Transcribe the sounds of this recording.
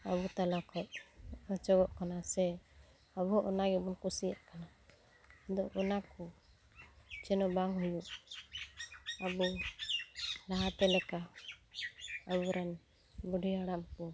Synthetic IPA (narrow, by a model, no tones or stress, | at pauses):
əβut̪alakʰɔʔ̚ət͡ʃɔɡɔʔkanasɛ | əbuʔɔnaɡɛbunkusijaʔkana | d̪ɔʔɔnakɔ | t͡ʃɛnɔbaŋɦujuʔ | əbu | laɦat̪ɛlɛka | əbuɾan | buɖʱiaɽamkɔ